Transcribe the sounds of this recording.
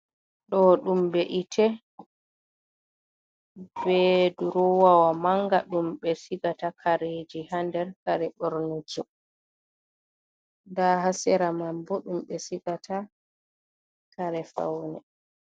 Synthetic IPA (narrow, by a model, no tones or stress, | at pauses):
ɗɔɗumbeʔitʰɛ | bɛduɾɔwawamaŋɡaɗumɓɛsiɡatakʰaɾed͡ʒihandɛɾkaɾɛɓɔɾnut͡ʃi | dahasɛɾamambɔɗumɓɛsiɡatʰa | kaɾɛfa̰wnɛ̰